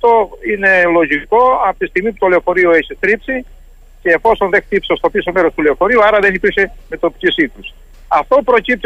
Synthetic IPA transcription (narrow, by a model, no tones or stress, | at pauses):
t̪o̞ine̞lo̞ʝiko̞ɐpot̪ist̪iɣmiput̪o̞leofo̞ɾioeçit̪ɾipsi | ce̞ːfo̞sonðe̞xt̪ipsɐst̪opiso̞meɾost̪uleofo̞ɾiuɐɾɐðe̞nipiɾse̞me̞t̪o̞pi̥cisikɾus | ɐft̪o̞pɾo̞cip̚t̪